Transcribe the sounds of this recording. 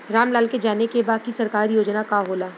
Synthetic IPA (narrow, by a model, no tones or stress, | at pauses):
ɾaːmlaːlked͡ʒaːnekebaːkisɐɾkaːɾijoːd͡ʒnakaɦoːlaː